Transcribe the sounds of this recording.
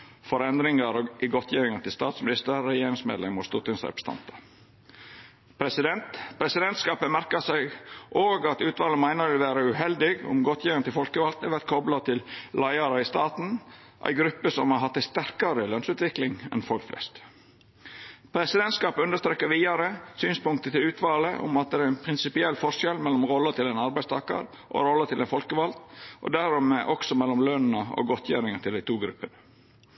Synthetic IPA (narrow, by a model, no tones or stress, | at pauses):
fɔɾɛnd̪ɾɪŋɑɾɔɪɡɔt̪ʰjiːɾɪŋɑt̪ʰɪlst̪ɑːt̪smɪnɪst̪əɛjeːɾɪŋsmḛːd̪lɛmʊst̪ut̪ɪnsɾɛ̰pə̥st̪ʰɑ̰nt̪ə | pʰɾɛsɪd̪ɛnt̪pʰɾɛsɪd̪ɛnt̪skɑːpəmæɾkɑsæɪɡʔoːɡɑt̪ʉːt̪ʋɑːlənmæɪnəɾʋɪlʋæːɾəʉhɛld̪ɪɡʊ̰mɡɔt̪ʰjiːɪŋnt̪ʰɪlfɔlkəʋɑlt̪æʋæɾt̪kʰɔblɑt̪ʰɪllɑɪɑɾəɪst̪ɑːt̪n̩ | ʔæ̰ɪɡɾʉpːəsɔmhɑɦɑt̪ːæɪst̪æɾkɑɾəlœnsʉːt̪ʋɪklɪŋɛ̰nfɔlkflʔɛ̰st̪ | pʰɾɛsɪd̪ɛnt̪skɑːpʉnd̪əst̪ɾeːkːəɾʋiːɑɾəsyːnspʊŋkt̪ət̪ɪlʉːt̪ʰʋɑːləʔʊ̰mɑt̪̚d̪ɛæɾæɪnpʰɾɪnsɪpɪɛlːfɔʂɛlmɛlːɔmɾɔlːət̪ʰɪlɛnɑɾbæɪst̪ɑːkə̰ɾ | ʔo̰ɾɔlːət̪ʰɪlæɪnfɔlkəʋɑlt̪ʔɔ̰d̪æɾɔmeːʔɔksɔmɛlːɔmlœnn̩əo̰ɡɔt̪ʰjæɾɪŋət̪ʰɪlæɪt̪ʰuːɡɾʉpːənə